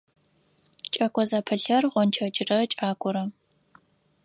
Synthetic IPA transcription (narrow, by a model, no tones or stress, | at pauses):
t͡ʃʼɐkʷʼɔzaːpʰɐɬɐrʁʷɔnt͡ʃʰɐt͡ʃʼɪrɐt͡ʃʼaːkʷʼɔɾɐ